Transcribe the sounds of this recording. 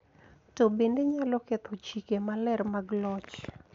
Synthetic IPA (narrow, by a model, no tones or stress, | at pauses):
tobendeɲalɔkɛt̪ʰot͡ʃikemalɛrmaɡlɔt͡ʃ